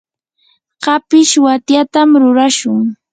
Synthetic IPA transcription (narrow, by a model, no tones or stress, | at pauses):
ɢɑpɪʃwat̪jat̪amɾʊɾaʃʊŋ